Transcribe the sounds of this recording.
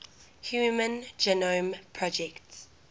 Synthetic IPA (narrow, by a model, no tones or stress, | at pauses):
hjuːmə̃nd͡ʒɛnompʰɹɔd͡ʒɛkts